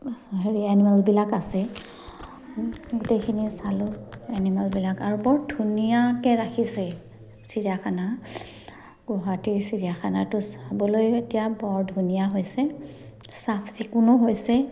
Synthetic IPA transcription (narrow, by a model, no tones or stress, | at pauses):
ɦeɹianimalbilakasɛ | ɡutejkʰinisalʊanimalbilakaɹubɔɹdʱunijakɛɹakʰisɛ | siɹiaxana | ɡɔɦatiɹsiɹijaxana̰tʊsabɔlojetijabɔɹdʱunijaɦojsɛ | sapʰsikunɔɦojsɛ